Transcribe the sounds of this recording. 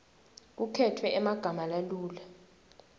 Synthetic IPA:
k̬ukʰɛtʰwɛʔɛmaɡ̥ʱamalaluːla

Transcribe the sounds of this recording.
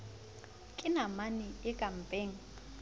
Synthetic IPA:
kʼɪnamanɪɪkʼam̩pʼeːŋ̩

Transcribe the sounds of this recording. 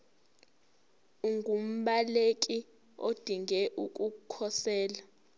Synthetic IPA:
uŋɡʱum̩ɓalekʼi | o̰d̥ʱiŋɡɛʔukʼukʰɔsɛːla

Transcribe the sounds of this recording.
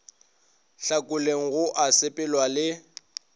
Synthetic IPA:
ɬakʼʊleŋ̩ɣʊʔasɪpʼɪlwalɪ

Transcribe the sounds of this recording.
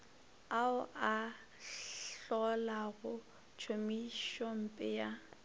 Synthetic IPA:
aʊʔa | ɬɔlaɣʊ | t͡ʃʰomiʃɔm̩pʼɪja

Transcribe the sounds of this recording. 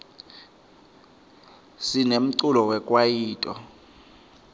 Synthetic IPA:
sinem̩ǀulɔwɛkʼwajiːtʼɔ̰

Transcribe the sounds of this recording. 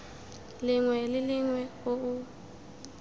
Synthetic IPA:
lɪŋwɛlɪlɪŋwɛʊʊ

